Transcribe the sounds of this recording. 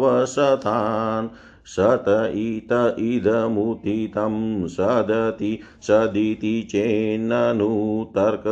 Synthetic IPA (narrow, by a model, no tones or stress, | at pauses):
ʋɐsɐt̪ʰan | sɐt̪ɐit̪ɐʔid̪ʱɐmut̪it̪ɐmsɐd̪ʱɐt̪i | sɐd̪it̪it͡ʃeːnːɐnut̪ɐɾkɐ